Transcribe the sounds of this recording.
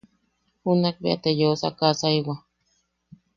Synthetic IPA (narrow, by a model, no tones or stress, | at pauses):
hunak̚bḭa̰t̪ejosa̰kasaiwa